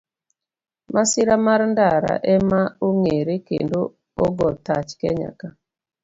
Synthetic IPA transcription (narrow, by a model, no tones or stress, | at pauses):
masiɾamaɾndaɾa̰ʔɛmaoŋeɾekḛndo | oɡɔtat͡ʃkɛ̰ɲa̰ka